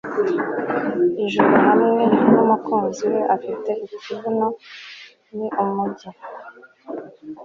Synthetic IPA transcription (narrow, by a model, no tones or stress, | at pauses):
iʒuɾuɦamŋenumukuːnziweʔafite̞ʔikuvuno | niʔumuɟi